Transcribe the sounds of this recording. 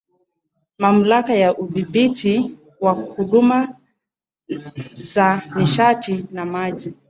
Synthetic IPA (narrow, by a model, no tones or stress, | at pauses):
mam̩lakajaʔuðiɓitʰi | wahuɗuma | zaniʃatinamaʄi